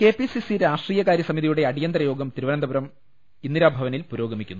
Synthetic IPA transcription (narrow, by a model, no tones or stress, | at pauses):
ke̞ːpisisiɾaːʂʈriːjɐkaːɾjɐsɐmiðijuɽe̞ɐɽijɐnd̪rɐjo̞ːɡɐmt̪iɾiʋɐnɐnd̪ɐbuɾɐm | inːiɾaːbʱɐʋɐnilpuɾo̞ːɡɐmikʲːunːu